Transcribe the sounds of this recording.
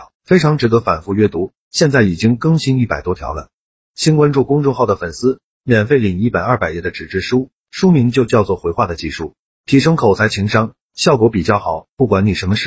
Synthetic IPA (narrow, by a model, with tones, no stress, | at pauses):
fe˥ɪʈ͡ʂʰɑ˧˥ŋʈ͡ʂɻ̩˧˥d̪ɤ˧˥fa˨˩nfu˥˧ɥɛ˥t̪u˧˥ | ɕjɛ˥˧nt͡sa˥˩ɪi˨˩t͡ɕi˥ŋkɤ˥˩ŋɕi˥ni˥˩pa˨˩ɪt̪wɔ˥t̪ʰjɑ̰˧˥ʊlə̰˧ | ɕi˥nkwa˥nʈ͡ʂu˥˩kʊ˥ŋʈ͡ʂʊ˥˧ŋxɑ˥˩ʊd̪ə˩fə˨˩nsɹ̩˥ | mjɛ˨˩nfe˥˩ɪli˨˩ŋi˥˩pa˨˩ɪɐ˥˩pa˨˩ɪɛ˥˩d̪ə˩ʈ͡ʂɻ̩˨˩ʈ͡ʂɻ̩˥˩ʂu˥ | ʂu˥mi˧˥ŋt͡ɕjo˥˧ʊt͡ɕjɑ˥˧ʊt͡swɔ˥˩xwe˧˥ɪxwa˥˩d̪ə˩t͡ɕi˥˧ʂu˥˩ | t̪ʰi˧˥ʂɤ˥ŋkʰo˨˩ʊt͡sʰa˧˥ɪt͡ɕʰi˧˥ŋʂɑ˥ŋ | ɕjɑ˥˩ʊkwɔ˧˥pi˨˩t͡ɕjɑ˥˩ʊxɑ˨˩˦ʊpu˥˩kwa˧˥nni˨˩ʂə˧˥nmə˧ʂɻ̩˥˩